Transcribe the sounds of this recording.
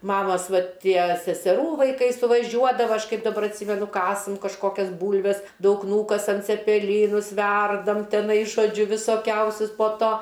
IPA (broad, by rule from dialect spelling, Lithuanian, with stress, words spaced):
ˈmɑːmɐs ˈʋɐt ˈtʲiɛ sʲɛsʲɛˈruː ʋɐɪˈkɐɪ sʊʋɐˈʒʲuɔdɐʋɐ ˈɐʃ ˈkɐɪp dɐˈbɐr ɐtʲˈsʲiːmʲɛnʊ ˈkɑːsɐm kɐʃˈkoːkʲɛs ˈbuːlʲʋʲɛs ˈdɐʊk ˈnuːkɐsɐm t͡sʲɛpʲɛˈlʲiːnʊs ˈʋʲɛrdɐm tʲɛˈnɐɪ ʒoːˈd͡ʒʲʊ ʋʲɪsoːˈkʲɛʊsʲʊs poː ˈtoː